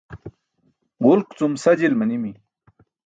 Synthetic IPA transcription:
ɡulkt͡sumsɐd͡ʑilmɐnimi

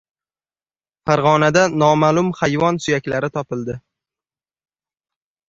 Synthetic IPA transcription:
faɾʁɒnad̪anɒmaːlˠʊmχajvɒnsʊjakʲlaɾɪt̪ʰɒpɪlˠd̪ɪ

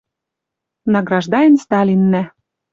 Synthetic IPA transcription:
nɑɡɾɑʒd̪ɑjenst̪ɑlʲinːæ

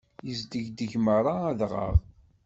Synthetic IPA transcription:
jəzd̪əʝd̪əʝməɾˤɑːðʁə̰ʁˤ

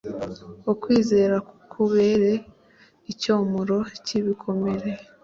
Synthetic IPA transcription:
okwiːze̞ːɾakukʰuβe̞ɾe̞ | icoːmuɾo̞ciβikʰo̞me̞ɾe̞

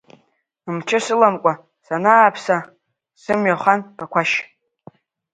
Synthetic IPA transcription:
ɨmt͡ʃʰɪsɨlamkʷʼa | sanaːpʰsa | sɨmɥaχʷanpʰʼakʷʰaʃ

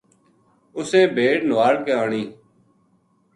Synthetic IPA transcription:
ʊsẽːbʱeːʈnʋaːɽkeaːɳiː

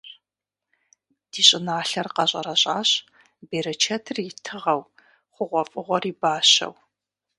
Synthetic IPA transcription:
d̥iːɕʼɪnaːɬɐrqɐɕʼɐɾɐɕʼaːɕ | beːɾɐt͡ʃʰɐtʰɨrjɪtʰɨʁɐw | χʷʊʁʷɔfʼɨʁʷɔriːbaːɕɐ̰w

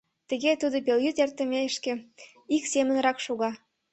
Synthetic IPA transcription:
t̪ə̆ɣet̪ud̪opeljyt̪ert̪ə̆meʃkĕ | iksemənrɑkʃoɣɑ

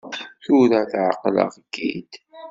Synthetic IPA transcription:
θʊɾæθʕaqlə̰ʁɡːḭd̪

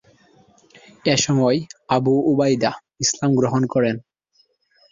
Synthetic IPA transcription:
eʃɔmɔeabuubajd̪a | islamɡɾoɦonkɔɾen

